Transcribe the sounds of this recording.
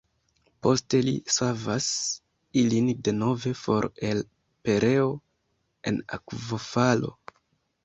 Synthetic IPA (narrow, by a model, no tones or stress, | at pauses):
po̞ste̞lḭsavas | ilinde̞no̞ve̞fo̞ɾel | pe̞ɾʔe̞o | e̞̰na̰kvofalo̞̰